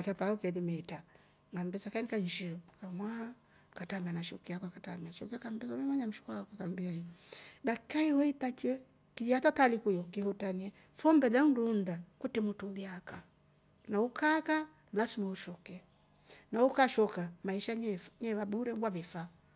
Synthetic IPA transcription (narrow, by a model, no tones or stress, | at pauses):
atapaukɛðimɛta | ŋɡanbɛsakaɛnikaɲd͡ʒikamwaa | katamɛanaʃukiakakatamɛaʃɔkiakambɛsumɛmaɲam̩ʃu̥kakakambiaiɗakaiwɛitat͡ʃwɛ | kiatatalikujɔkihutaniɛ | fɔmbɛðaundundakutɛmutuðiaka | naukaka | lasimauʃɔkɛ | naukaʃɔkamaiʃaɲɛɲɛvabuɾɛbwavifa